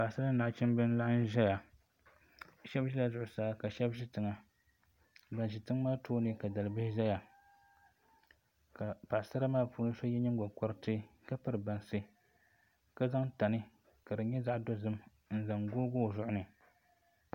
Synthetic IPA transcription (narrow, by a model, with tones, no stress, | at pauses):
pa˨ʔsa˦ɾa˦na˨˦t͡ʃɛ˦m˦bɨ˦n˦la˦n̩˦ʒɛ˦ja˨ | ʃɛ˦bʒi˦la˨zʊ˨ʔʊ˨saː˦ka˨ʃɛ˦bʒi˦tɨ˨ŋa˦ | ba˨nʒi˨tɨ˦ŋmaː˦toː˦nɨ˦ka˨da˨lɨ˨bɪ˦hɪ˦ʒɛ˦ja˨ | ka˨pa˨ʔsa˦ɾa˦maː˦˨puː˦nɨ˦so˦jɛ˦ɲɛ˦ŋɡo˨kɔ˦ɾɨ˦tɨ˦ka˦pɨ˦ɾɨ˨ba˨nsɨ˦ | ka˦za˦ŋta˨nɨ˦ | ka˨dɨ˨ɲɛ˦za˦ʔdo˦zɨ˦m | n̩˦za˨ŋɡo˦ɡoː˦˨zʊ˦ʔʊ˦nɨ˨